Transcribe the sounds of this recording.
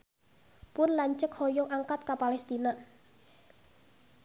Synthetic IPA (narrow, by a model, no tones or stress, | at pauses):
pʊnlaɲt͡ʃəkhɔjɔŋʔaŋkat̪̚kapalɛst̪ina